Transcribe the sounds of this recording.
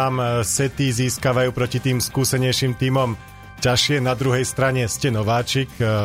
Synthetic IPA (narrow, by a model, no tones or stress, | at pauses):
amsɛt̪iziːskaʋajuːpɾɔcit̪iːmskuːsɛɲɛjʃiːmt̪iːmɔm | caʃɪɛnad̪ɾuɦɛjst̪ɾaɲɛscɛnɔʋaːt͡ʃik